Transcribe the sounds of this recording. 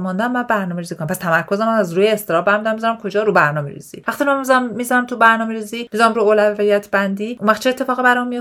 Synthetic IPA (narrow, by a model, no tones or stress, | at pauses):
mɔnd̪æmːæbæɾnɒːmeɾizikonæmpæst̪ʰæmæɾkʰozæmænæzɾuːjeːst̪eɾɒːbæɾmid̪ænmizɒnɾæmkʰo̞d͡ʒɒːɾubæɾnɒːmḛɾḭz̥ḭvæχt̪inæmizæmmizɒnæmt̪ʰubæɾnɒːmeɾiziːmizɒnæmɾuolævijæt̪ʰbænd̪iʔuvæχt͡ʃʰeet̪ʰːe̞fɒːɣibæɾɒmio